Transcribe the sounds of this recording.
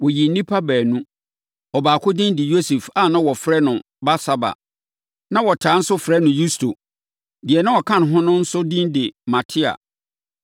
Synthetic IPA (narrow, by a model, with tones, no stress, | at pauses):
wɔ˨ji˨n̩˦nĩ˦pʰa˦bæː˨nũ˦ | ɔ˨baː˨kʰʊ˦dĩ˦ndɪ˨jo˦su˨fa˦˨nã˦wɔ˨fɾɛ˦nʊ̃˨ | ba˦sa˦ba̰˨ | nã˦wɔ˨tʰaː˨˦n̩˦sʊ˦fɾɛ˦nʊ̃˨ju˦stʰo̰˨ | dɪ˨ɛ˨nã˦wɔ˨kʰã˦n˨ɦʊ̃˦nʊ̃˦n̩˦sʊ˦dĩ˦ndɪ˨mã˨tʰɪ˦a̰˨